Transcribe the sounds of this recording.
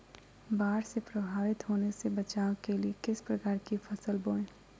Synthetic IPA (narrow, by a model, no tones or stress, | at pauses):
baːɾsepɾɐbʱaːʋɪt̪ɦoːnesebɐt͡ʃaːõkeliekɪspɾɐkaːɾkifʰɐsəlboːɽẽː